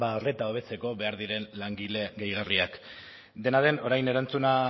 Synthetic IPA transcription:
baore̞t̪ao̞β̞e̞t͡se̞ko̞βe̞aɾðiɾe̞nlaŋɡile̞ɣejɣariak | d̪e̞naðe̞no̞ɾajne̞ɾant͡suna

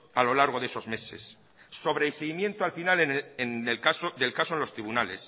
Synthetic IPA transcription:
alo̞laɾɣ̞o̞ðe̞so̞zme̞se̞̰sː | o̞β̞ɾeiseɣimjẽ̞nt̪oalfinalenenelkasoðe̞lkasoenlost̪ɾiβunale̞s

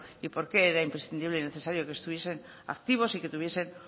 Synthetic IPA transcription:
ipo̞ɾke̞eɾaimpɾesθind̪iβleineθe̞saɾjo̞kest̪uβje̞se̞n | a̰kt̪iβ̞o̞sike̞t̪uβje̞se̞n

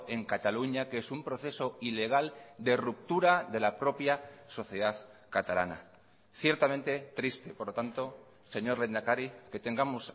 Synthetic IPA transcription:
e̞ŋkat̪aluɲakeesumpɾo̞θe̞so̞ile̞ɣ̞ald̪e̞rup̚t̪uɾaðe̞lapɾo̞pjaso̞θje̞ðaðkat̪ala̰na̰ | θje̞ɾt̪amẽ̞nt̪e̞t̪ɾist̪e̞poɾlo̞t̪ant̪o̞ | se̞ɲo̞ɾle̞nd̪akaɾike̞t̪e̞ŋɡamos

